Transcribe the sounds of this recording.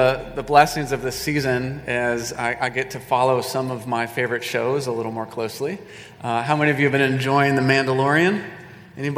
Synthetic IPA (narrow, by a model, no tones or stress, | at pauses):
ðəblɛsɪ̃ŋzʌvðɨsizɨ̃nɨzaɪʔaɪɡɛtʰɨfɑlˠoʊsʌ̃mʌvmaɪfeɪvə˞ɨtʃoʊzəlɪɾl̩ˠmɔɹkʰl̥oʊsli | ɦaʊmɛ̃niʌvjɨɨvbɨ̃ñɨ̃nd͡ʒɔ̃ɪɪ̃ŋðɨmæ̃ndəlɔɹiɨ̃n | ʔɛnib